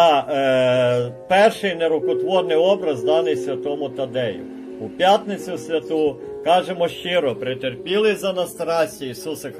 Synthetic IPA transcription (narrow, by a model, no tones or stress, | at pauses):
pɛrʃɪjneɾʊkɔt̪ʋɔrnɪjɔbɾɐzd̪ɑnɪjsʲʋʲɐt̪ɔmʊt̪ɐd̪ɛjʊ̰ | upʲjat̪nɪt͡sʲʊsʲʋʲɐt̪ukɑʒemɔʃt͡ʃɪɾɔpɾɪt̪erpʲilˠɪzɐnɐst̪ɾɑsʲtʲiisusɐ